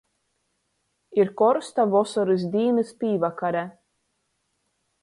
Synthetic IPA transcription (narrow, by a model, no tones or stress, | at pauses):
iɾkɔɾst̪avɔsɔɾis̬d̪ʲiːnɨspʲiːvakaɾa